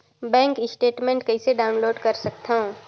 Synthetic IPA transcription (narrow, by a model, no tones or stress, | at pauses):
bɛ̃ːŋkɪsʈeːʈmẽɳʈkɐiseɖaːʊnloːɖkəɾsəkt̪ʰaõ